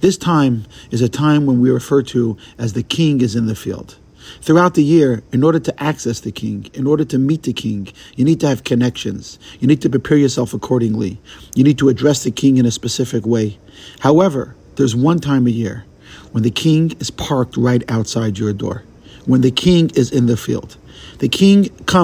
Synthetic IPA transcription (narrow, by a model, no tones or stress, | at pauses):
ðɪstʰãɪ̃mɨzɨtʰãɪ̃mwə̃nwiɹɨfɜ˞ɾɨɨzðɨkʰɪ̃ŋɨzɨ̃nðɨfḭlˠd̥̪̚ | θɹuaʊt̪̚ðɨjɪɹɨ̃nɔɹɾə˞ɾɨʔæksɛsðɨkʰɪ̰̃ŋɨ̃nɔɹɾə˞ɾɨmit̪̚ðɨkʰɪ̃ŋjɨnid̚tʰɨːv̥kʰɨnɛkʃɨ̃nz̥jɨnid̚tʰɨpɹ̥ɨpʰɛɹjə˞sɛlˠfəkʰɔɹɾɪ̃ŋlḭjɨnid̚tʰɨːdɹɛsðɨkʰɪ̃ŋɨ̃ñɨspɨsɪfɨkweɪ | haʊɛvə̰˞ | ðə˞zwʌ̃ntʰãɪ̃mɨjɪ̰ɹ | wə̃nðɨkʰɪ̃ŋɨz̥pʰɑɹk̚t̚ɹaɪɾaʊtsaɪd͡ʒə˞dɔ̰ɹ | wə̃nðɨkʰɪ̃ŋɪzɨ̃nðɨfḭlˠd̪̚ | ðɨkʰɪ̃ŋkʰʌ̃